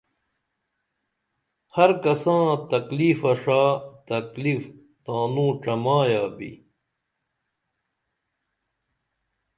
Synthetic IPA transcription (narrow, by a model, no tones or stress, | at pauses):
hɐɾkɐsãːt̪ɐklifɐʂaːt̪ɐklif | t̪ãːnũːʈ͡ʂɐmaːjaːbḭ